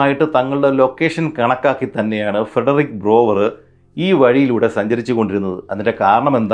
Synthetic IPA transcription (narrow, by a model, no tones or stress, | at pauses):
aːjiʈːɨt̪ɐŋːɐɭuɽe̞lo̞kːe̞ːʂɐnkɐɳɐkːaːkːit̪ɐnːe̞jaːɳɨfreɖɐrik̚bro̞ːʋɐrɨ | iːʋɐɻijiluːɽe̞sɐɲd͡ʑɐɾit͡ɕːuko̞ɳɖiɾunːɐðɨɐðinde̞kaːɾɐɳɐme̞nd̪